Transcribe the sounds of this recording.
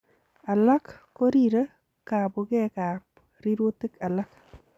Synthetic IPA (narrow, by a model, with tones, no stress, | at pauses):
a˨la˦kː | o˦ɾi˦ɾə˦ | ka˨bo˨ɡe˦ka˨p | ɾi˦ɾwo˦t̪e˦ka˨la˦k